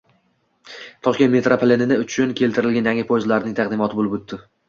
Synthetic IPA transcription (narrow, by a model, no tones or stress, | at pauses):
t̪ʰɒʃk̪ʲt̪me̞t̪ɾapʰle̞nɪnɪʊt͡ʃʰʊnkʲʰe̞lt̪ɪɾɪlɡʲanjaŋɪpʰozlaɾɪnɪŋt̪ʰɑq̚d̪ɪmɒt̪ʰɪbolɪbot̪ːɪ